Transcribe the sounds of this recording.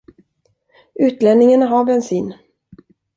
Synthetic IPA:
ʔʉ̟ːt̪lɛnnɪŋənaɦaɾbɛnsiːn

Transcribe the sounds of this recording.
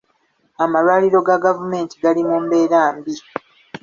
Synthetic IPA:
amalwaːliɾo̞ɡaɡavume̞ːntiɡalimuːmbe̞ːɾaːmbi

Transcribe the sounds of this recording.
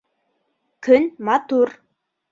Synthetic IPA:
kɵnʲmɑt̪ur

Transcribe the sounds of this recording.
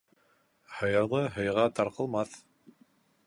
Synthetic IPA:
hɤ̆jɤ̆ɾlˠɤɦɤ̆jʁɑt̪ɑɾqɤ̆lˠmɑθ

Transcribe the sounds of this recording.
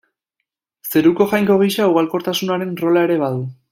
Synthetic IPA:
se̞ɾuko̞ʝajŋko̞ɣiʃauɣalko̞ɾt̪asunaɾe̞nro̞lae̞ɾe̞βaðu

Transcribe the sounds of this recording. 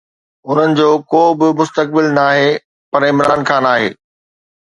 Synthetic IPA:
ʊn̤ənɪ̆d͡ʑoːkoːbɪmʊst̪ək̚bɪlnaːɦe | pɐɾɪ̃mɾaːnxʰãːnaːɦḛː

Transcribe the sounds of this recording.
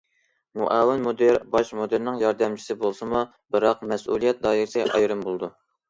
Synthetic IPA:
muʔɑːwɪnmod̪eɾbɑʃmod̪eɾnɪŋjɑɾd̪ɛmt͡ʃʰi̥sɪbolˠsɨmu | bɨɾɑqmɛsʔṵlˠijɛt̪̚d̪ɑːjiɾɨsɨʔɑ̰jɾɨmbolˠɨd̪u

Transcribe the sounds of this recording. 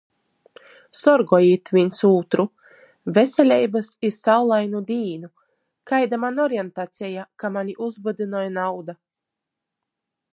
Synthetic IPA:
sɔɾɡɔjiːt̪vʲinʲsuːt̪ɾu | vʲesʲɛlʲɛjbasiɾsawlˠajnud̪iːnu | kajd̪amanɔɾjɛnt̪at̪sʲɛjakamaniʔuzbad̪inɔjnawd̪a

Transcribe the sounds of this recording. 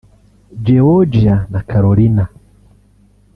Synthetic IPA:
d͡ʒɛɔd͡ʒianakʰaɾɔlina

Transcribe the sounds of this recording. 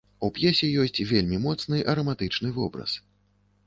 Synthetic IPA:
upjɛsʲɛjɔsʲt͡sʲvʲelʲmʲimɔt̪snɨʔɐɾɐmat̪ɨt͡ʂnɨvɔbɾɐ̰s

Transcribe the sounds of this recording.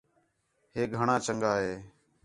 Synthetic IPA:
heːɡʱəɳãːt͡ʃəŋɠaːɦeː

